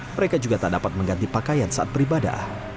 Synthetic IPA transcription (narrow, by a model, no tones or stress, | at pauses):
məɾekad͡ʒuɡat̪adapat̪̚məŋɡant̪ipakajansaʔa̰t̪̚bəɾibada̰h